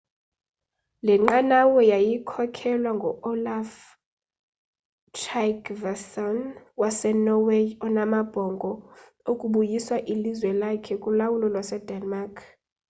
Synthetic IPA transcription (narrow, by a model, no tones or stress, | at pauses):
lɛŋ͡ǃanawɔjajikʰɔkʰɛlwaŋɡʱɔɔlaf | t͡ʃʰakvɛsɔn | wasɛnɔweɔnamab̥ʱɔŋɡʱɔ | okʼuɓujiswaʔilizwɛlakʰɛkʼulawulɔlwasɛd̥ʱɛnmaːkʰ